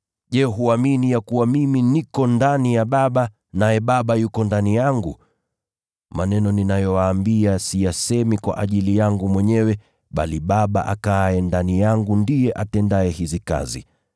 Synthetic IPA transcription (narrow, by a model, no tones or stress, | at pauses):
ʄɛɦuaminijakuwamiminikɔndanijaɓaɓa | najɛɓaɓajukɔndanijaŋɡu | manɛnɔninajɔwaːmbiasijasɛmikwa̰ʔaʄilijaŋɡumwɛɲɛwɛ | ɓa̰liɓaɓa̰ʔakaɛndanijaŋɡundijɛʔatɛndaɛhizika̰zḭ